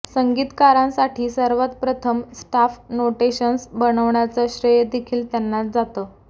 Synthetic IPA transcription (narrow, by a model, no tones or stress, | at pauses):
səŋɡiːt̪kaɾãnsaʈʰiːsəɾʋət̪̚pɾət̪ʰəmsʈafnoʈeɕənsbənəʋɳjat͡səɕɾəjd̪ekʰiːlt̪janːat̪̚d͡zat̪əː